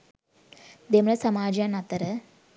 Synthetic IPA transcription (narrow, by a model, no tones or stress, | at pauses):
d̪emlɐsɐmaːd͡ʒanɐt̪ːɐɾɐ